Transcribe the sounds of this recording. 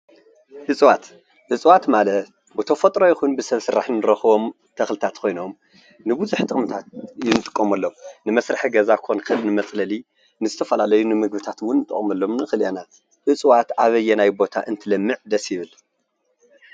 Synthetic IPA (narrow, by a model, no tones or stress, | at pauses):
hɨt͡sʼwat̪ | ʔɨt͡sʼwat̪malɐt̪̚ | bɨt̪ʰɐfɐt̪ʼɾo̞jɪxunbɨsɐβsɨɾaħnɨɾɐxɨβo̞m | t̪ʰɐxlɨt̪ʰat̪kʰo̞jno̞m | nɨbuzuħt̪ʼɨχʼmt̪ʰat̪̚jinɨt̪ʼɨkʼːomɐlːownɨmɐsɾɨħiɡɐzakʰo̞nkɨlnɨmɐt͡sʼlɐli | nɨzɨt̪ʰɐfɐlalɐjunɨmɨɡ̚bɨt̪ʰat̪wʊnːɨt̪ʼɨ̰χʼmɐlːo̞mnɨxɨlʔena | ʔɨt͡sʼwat̪ʔaβɐjːɛnajbo̞t̪ʰa̰ʔɨnt̪ʰɨlɐmːɨʕd̪ɐsjɪβɨl